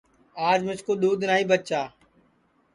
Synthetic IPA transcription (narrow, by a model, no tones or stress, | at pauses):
aːd͡ʒmɪt͡ʃkoːɗ̪uːd̪naːĩːbət͡ʃaː